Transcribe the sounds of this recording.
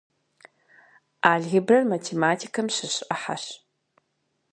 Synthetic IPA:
aːɮɣɪbrɐrmɐtʰeːmaːtʰikʰɐmɕɨɕʔɐħa̰ɕ

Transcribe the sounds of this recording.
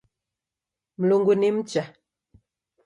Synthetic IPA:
m̩loŋɡonem̩t͡ʃa

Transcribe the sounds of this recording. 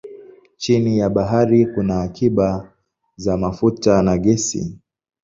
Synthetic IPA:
t͡ʃinijaɓaɦaɾikunaːkʰiɓa | zamafutanaɠɛsḭ

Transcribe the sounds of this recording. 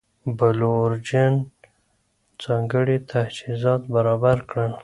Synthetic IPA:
baloɾd͡ʒan | d͡zɑŋɡəɽit̪ʰahsizɑt̪baɾɑbaɾkɽəl

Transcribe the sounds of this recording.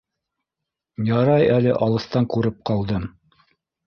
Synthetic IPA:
jɑɾɑjælɘʔɑlˠɤ̆st̪ɑŋkuɾɤp̚qɑlˠd̪ɤm

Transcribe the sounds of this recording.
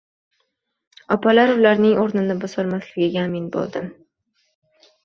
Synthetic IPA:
ɒpʰalaɾʊlaɾnɪŋʔoɾnɪnɪbɒsɒlmaslɪɡʲɪɡʲaːmɪnbo̰lˠd̪ɪm

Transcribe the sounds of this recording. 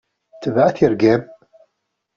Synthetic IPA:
θəvʕaθiɾɡæm

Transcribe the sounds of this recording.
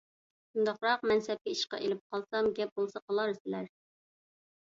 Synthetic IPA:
ʃund̪ɑqɾɑqmɛnsɛp̚kʲɛiʃqɑ̰ʔelɪp̚qʰɑlˠsɑmɡʲɛp̚bolˠsɑqʰəlˠɑɾsɪlæɾ

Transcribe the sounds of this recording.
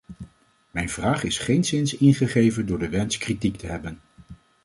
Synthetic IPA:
mɛjnv̥raːχɪsχejnsɪnsɪnχəχejvəndʊːɹdəʋɛnskritiktəɦɛbən

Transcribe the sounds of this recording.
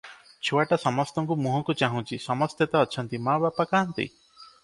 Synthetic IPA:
t͡ʃʰowaʈasɔmɔst̪ɔŋkumuɦɔŋkut͡ʃaɦũt͡ʃʰisɔmɔst̪jet̪aːt͡ʃʰɔnt̪imabapakaɦnt̪ḭ

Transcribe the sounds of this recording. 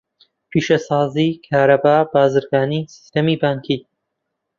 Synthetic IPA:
pʰiːʃɐsɑːziːkʰaːɾɐbaːbaːzɨɾɡaːniːsi̥st̪ɐmiːbaːŋkʰiː

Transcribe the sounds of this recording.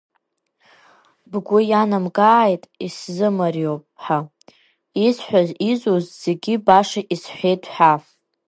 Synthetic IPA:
bɡʷʊjanamɡaːjtʼiszɨmarjowpʼħa | isħʷᶣazizuzz̥e̞ɡʲibaʂaʔisħʷe̞jtʼʰħʷᶣaf

